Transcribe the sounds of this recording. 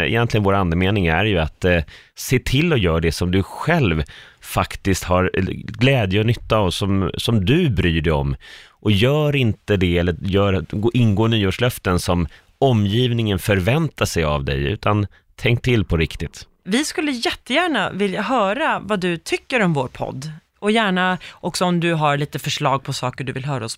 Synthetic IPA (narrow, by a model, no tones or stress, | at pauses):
ɛ̰jɛnt̪lɪɡənvoːɾand̪əmeːnɪŋæ̰ɾjɵat̪seːʈ̪ʰɪlːɔjœːɖɛsɔmd̪ɵɧɛlvfakt̪ɪst̪haɾɡlɛːd̪jəɔnʏt̪ːasɔmsɔmd̪ɵbɾyːɖɛjɔ̰mːʔɔjœːɾɪnt̪əd̪ɛɛlːəjœːɾaɡʔɪnɡoːnyːoːʂlœft̪ənsɔm | ɔmːjiːvnɪŋənfœɾvɛnt̪ʰaʂɛja̰vd̪ɛ̰jʉ̟̰ːt̪ʰan | t̪ʰɛŋk̚t̪ʰɪlːpʰɔɾɪkt̪ɪt̪ | vɪskɵlːəjɛt̪ːəjæːɳavɪljaɦœːɾavad̪ɵt̪ʰʏkːəɾɔmvoːɾpʰɔ̰d̪ː | ɔjæːɳaʔɔksɔɔmd̪ɵɦaɾɭiːt̪əfœʂɭɑːɡ̚pʰɔsɑːkəɖɵvɪlɦœːɾaɔs